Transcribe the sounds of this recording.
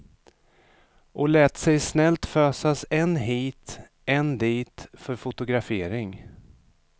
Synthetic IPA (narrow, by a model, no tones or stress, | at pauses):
ʔɔlɛːt̪sɛjsnɛlt̪føːsasɛnɦiːt̪ | ɛnd̪iːt̪fœɾfʊt̪ʊɡɾafeːɾɪŋ